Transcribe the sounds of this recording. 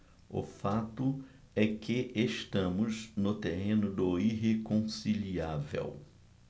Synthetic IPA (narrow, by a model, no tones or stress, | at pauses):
ʊ̰fat̪ʊ | ɛkʰɪʔeʃt̪ɐ̃mʊznʊt̪eɦẽnʊd̪ʊiɦekõsiliavḛw